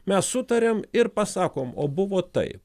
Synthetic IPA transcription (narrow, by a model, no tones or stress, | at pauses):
mʲɛssʊt̪ɐɾʲeːmɪɾpɐsɑːkoːmo̰ːbʊʋoːt̪ɐ̰ɪp